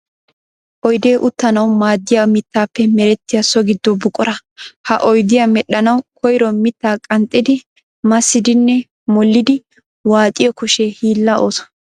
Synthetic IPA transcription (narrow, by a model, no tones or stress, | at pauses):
ʔɔjd̪e̞ːʔʊt̪ːɐnɐwmaːd̪ːɪjamɪt̪ːaːpːɛmɛɾɛt̪ːɪjɐsɔɡɪd̪ːɔbʊkʼɔɾɐhɐʔɔjd̪ɪjamɛɗːɐnɐwkʰɔjɾɔmɪt̪ːaːkʼɐnt̪ʼːɪd̪ɪ | mɐsːɪd̪ɪnːɛ | mɔlːɪd̪ɪ | waːt̪ʼɪjɔkʊʃehiːlːɐʔoːsɔ̥